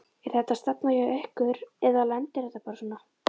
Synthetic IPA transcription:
iɾ̥θɛht̪ast̪apnajɛɛhkʏɾɛðalɛnt̪ɪɛht̪ːapaɾsɔnːa

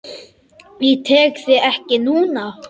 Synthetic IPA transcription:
vit̪ʰɛːkθɪɛhcɪnuːna

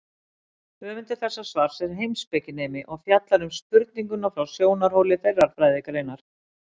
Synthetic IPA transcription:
œːvɪnt̪ɪɾ̥θɛsːasvaɾ̥sɛɾ̥ɦejmspɛcɪneːjmɪʔɔɣfjat̪laɾʏmspʏɾt̪̚niŋkʏnawfɾawsjoːwnaɾ̥howlɪθejrːaɾ̥fɾaːjðejkalejnaɾ̥

